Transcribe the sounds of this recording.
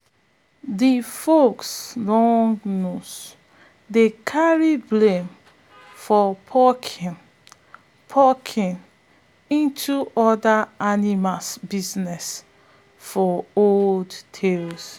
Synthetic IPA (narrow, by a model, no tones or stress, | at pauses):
difokslɔ̃ŋɡnus | dekʰaɹiblẽm | fɔpʰɔkʰĩn | pʰɔkʰĩn | ĩntʰuʔɔdaanimasbiznɛs | fɔolldtʰels